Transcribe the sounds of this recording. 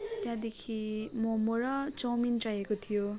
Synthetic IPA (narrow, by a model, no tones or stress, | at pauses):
t̪jãd̪ekʰimomoɾʌt͡sʌwmint͡sajekot̪ʰijo